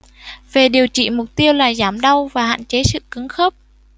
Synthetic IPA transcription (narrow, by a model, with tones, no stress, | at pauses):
ve˨˩ɗi˨˩əwt͡ɕḭ˧˨mʊ˨˩k͡p̚t̪i˧əwlaː˨˩zaː˧˩mɗa˧wvaː˨˩ha̰ː˧˨nt͡ɕe˨˦sɨ̰˧˨kɨ˨˦ŋxə˦˥p̚